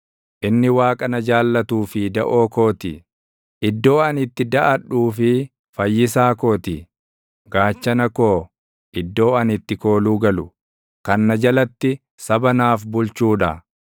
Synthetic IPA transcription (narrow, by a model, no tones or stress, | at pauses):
ʔɪnːɪwaːkʼɐnɐd͡ʒaːlːɐt̪uːfɪd̪ɐʔo̞ːko̞ːt̪ɪ̰ | ʔɪd̪ːo̞ːɐnɪt̪ːɪd̪ɐʔɐᶑuːfɪ | fɐjːɪsaːkoːt̪ɪ | ɡ̥aːt͡ʃːɐnɐko̞ː | ʔɪd̪ːo̞ːɐnɪt̪ːɪko̞ːluːɡɐlʊ | kɐnːɐd͡ʒɐlɐt̪ːɪ | sɐbɐnaːfbʊlt͡ʃuːᶑɐ